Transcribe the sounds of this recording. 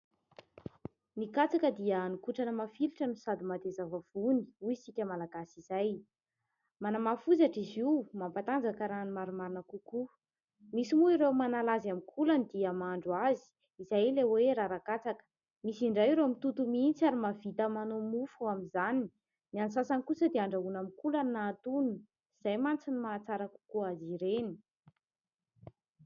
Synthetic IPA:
nikat͡sakəd̪iənikuʈ͡ʂanəmafiluʈ͡ʂənisad̪imat̪ezavav̥uni̥uisikʲəmalaɡasiz̥aj | manamafuzaʈ͡ʂiziumampat̪and͡zakəɾanimaɾumaɾinakuku | misimuiɾewmanalazamikʰulanid̪iəmaɳɖ͡ʐuazi̥ | izajleweɾaɾakat͡sakə̥ | misiɳɖ͡ʐajɾemit̪ut̪umiint͡saɾimav̥it̪əmanomufuaminzani | niansasankusəd̪eaɳɖ͡ʐaɦunamikulanaːt̪unu | iz̥ajmant͡sinimaːt͡saɾaku̥kuaziɾeni̥

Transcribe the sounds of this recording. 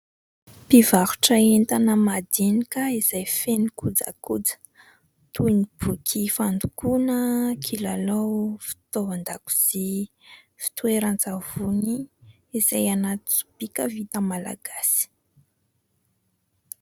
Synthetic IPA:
pivaɾu̥ʈ͡ʂəent̪anəmad̪enikəiz̥ajfenikud͡za̰kud͡zə̥ | t̪unib̥ukʰifand̪ukunəkʰilalowfi̥t̪ovand̪aku̥z̥i | fi̥t̪ueɾand͡zavuniː | zajanat̪ut͡su̥b̥ikəvit̪əmala̰ɡ̥asi̥

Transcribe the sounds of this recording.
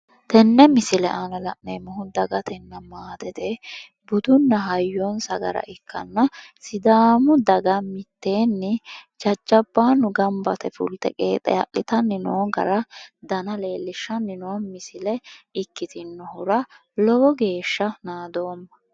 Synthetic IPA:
t̪ɛnːɛmɪsɪlɛʔanɐlɐ̰ʔneːmɔhʊd̪ɐɡɐt̪ʰɛnːɐmaːt̪ɛt̪ɛ | bʊd̪ʊnːɐɦɐjːɔnsɐɡɐ̰ɾɐ̰ʔɪkʰːɐ̰nːɐsɪd̪aːmʊd̪ɐɡɐmɪt̪ːe̞ːnːɪt͡ʃɐt͡ʃːɐbːaːnːʊɡɐmbɐt̪ɛfʊ̰lt̪ɛ̰kʼḛːt̪ʼɛ̰ɐ̰ʔːɪt̪ɐnɪnoːɡɐ̰ɾɐd̪ɐnɐle̞ːlːɪʃːɐnɪnoːnmɪsɪlɛɪkːɪt̪ɪnːɔhʊɾɐ | lɔɡɔɡe̞ːʃːɐnaːd̪o̞ːmːɐ

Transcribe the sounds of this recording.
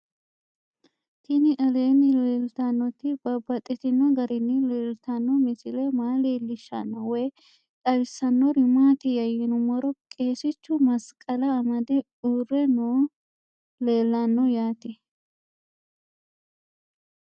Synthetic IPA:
t̪ʰɪnɪʔɐleːnɪleːlt̪anːɔt̪ːɪbɐbːɐt̪ʼːɪt̪ɪnːɔɡɐɾɪnːɪleːlt̪anːɔmɪsɪlɛmaːleːlːɪʃːa̰nːɐwɔj | t̪ʼɐɾɪsːɐnːɔɾɪmaːt̪ɪjɐjɪnʊmɔɾɔkʼe̞ːsɪt͡ʃːʊmɐskʼːɐlɐːmɐd̪ɛ | urːɛnoː | le̞ːlːanːɔjaːt̪ɛ

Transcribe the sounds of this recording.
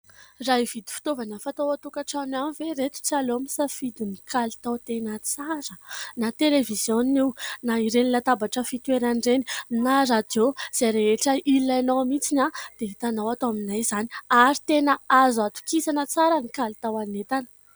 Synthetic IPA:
raɦiv̥id̪i̥fi̥t̪ovanəfat̪owat̪ukaʈ͡ʂananiveɾet̪u̥t͡salomisafid̪inikʰalit̪awt̪enət͡saɾənat̪elevizjoniwnaiɾenilat̪abaʈ͡ʂəfit̪ueɾaɳɖ͡ʐeninaɾad̪oz̥aɾeeʈ͡ʂəilaanowmit͡sinad̪̥eit̪anawat̪oaminajzaniaɾit̪enəazat̪u̥kisanət͡saɾənikalit̪awanet̪anə̥

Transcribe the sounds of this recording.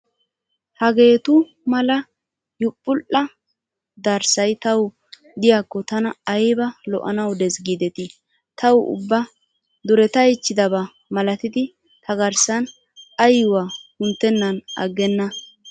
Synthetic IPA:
hɐɡe̞ːt̪ʊ | mɐlɐ | jʊpʼːʊʔɐ | d̪ɐɾsɐjt̪ɐw | d̪ɪjakːɔt̪ɐnɐːjbɐlɔ̰ʔɐ̰nɐwd̪ɛsɡiːd̪ɛt̪ɪ | t̪ɐwʊ̰bːɐ | d̪ʊɾɛt̪ɐɪt͡ʃːɪd̪ɐbɐ | mɐlɐt̪ɪd̪ɪ | t̪ɐɡɐɾsɐn | ɐjːʊwahʊnt̪ːɛnːɐnɐɡːɛnːɐ

